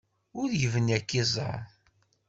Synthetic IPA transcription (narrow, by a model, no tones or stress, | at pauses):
ʊɾjəvənækːizˤɑ̰